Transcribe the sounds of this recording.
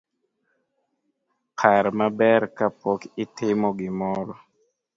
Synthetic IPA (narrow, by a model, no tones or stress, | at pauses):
kʰaɾmabɛɾkapɔkɪtɪmɔɡɪmɔɾɔ